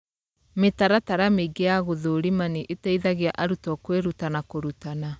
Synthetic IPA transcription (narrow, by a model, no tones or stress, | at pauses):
metaɾataɾameɡeaɣoðoɾimaniʔetaiðaɣeaʔaɾutɔkweɾutanakoɾutana